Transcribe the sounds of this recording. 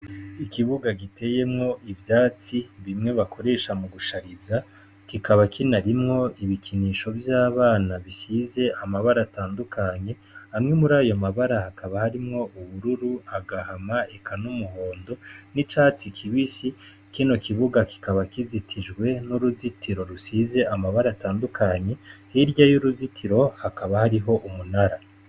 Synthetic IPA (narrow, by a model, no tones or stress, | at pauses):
ikiβuɡaɡite̞je̞mŋo̞ʔivjaːt͡siβimŋe̞βakʰo̞ɾe̞ːʃamuɡuʃaɾiza | kikʰaβakʰinaɾimŋo̞iβikʰiniːʃo̞vjaːβaːnaβisize̞ʔamaβaɾataːndukʰaɲe̞ | hamŋe̞muɾaːjomaβaɾahakʰaβahaɾimŋo̞ʔuβuɾuɾuaɡahamaekanumuɦo̞ːndo̞nit͡ʃaːt͡sikʰiβisi | kino̞kiβuɡaki̥kaβakizitʰiʒɡwe̞nuɾuzitiɾo̞ɾusize̞amaβaɾataːndukʰaɲe̞hiɾɟajuɾuzitʰiɾo̞hakaβahaɾiɦo̞ʔumunaɾa